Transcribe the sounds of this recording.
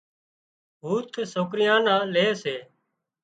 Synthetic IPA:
ɦuːt̪ʰsoːk̬ɾɪjãːnãːleːseː

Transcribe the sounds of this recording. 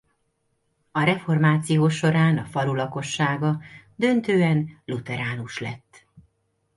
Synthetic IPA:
ɒɾɛfo̞rmaːt̪sijoːʃo̞ɾaːnɒfɒlulɒko̞ʃːaːɡɒd̪ø̞nt̪øːɛnlut̪ɛɾaːnuʃlɛ̰t̪ː

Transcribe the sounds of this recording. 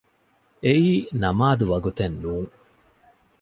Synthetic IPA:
eʔiːnɐmaːd̪uʋɐɡut̪ɐnːuːŋ

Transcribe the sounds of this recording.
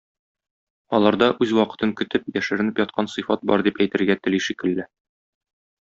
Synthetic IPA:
ɒlˠɑɾd̪ɑʔʉzwɒqɤ̥̆t̪ɤŋkɵ̆t̪ɘp̚jæʃɘ̆ɾɘ̆nɘpjɒt̪̚qʰɑnsɤ̆fɑt̪̚bɒ̰ɾd̪ipæjt̪ɘ̆ɾɡæt̪ɘ̆liʃikɘ̆lːɘ

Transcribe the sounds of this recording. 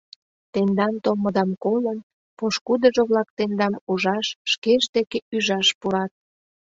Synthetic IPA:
t̪end̪ɑmt̪oməd̪ɑmkolən | poʃkud̪əʒŏβlɑk̚t̪end̪ɑmuʒɑʃːkeʃd̪ekeyʒɑʃpuɾɑt̪̚

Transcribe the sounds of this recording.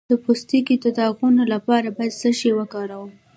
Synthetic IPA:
d̪̥əpost̪ikit̪ad̪aɣunolapɑɾabɑjad̪səʃewəkɑɾawu

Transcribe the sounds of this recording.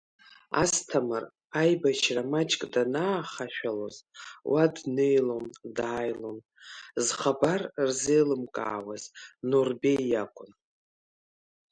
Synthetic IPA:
a̰stʰamɨr | ajbaʃʰramat͡ʃʼkʼdanaːχaʃᶣalo̞zwʔadnejlondaːjlon | zχabarrzejlɨmkʼa̰ːwaznorbejakʷʼʊn

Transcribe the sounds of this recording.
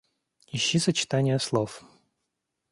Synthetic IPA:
ɪɕːisət͡ɕɪ̥t̪anʲɪjəslˠof

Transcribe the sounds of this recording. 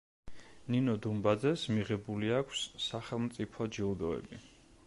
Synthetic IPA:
ninɔd̪umbad̪zɛsmiʁɛbuliakʷʰsːaχɛlˠmt̪sʼipʰɔd͡ʒiud̪ɔɛ̰bi

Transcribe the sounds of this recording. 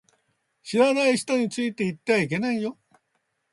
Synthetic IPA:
ɕiɾanaiɕi̥t̪o̞ɲ̟it͡sɨit̪e̞it̪ːe̞βaik̬e̞naijo̞

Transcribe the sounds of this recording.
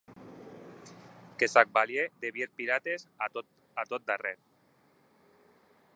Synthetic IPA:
kesak̚baljed̪eβjeɾpiɾat̪esa | at̪ot̪̚d̪areɾ

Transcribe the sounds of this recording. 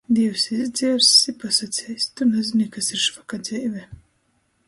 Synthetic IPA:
d̪iɛwsizd̪zʲiɛɾsipasat̪sʲɛːjst̪unɛzinʲikasiɾʃvakad̪z̥ʲɛjvʲɛ

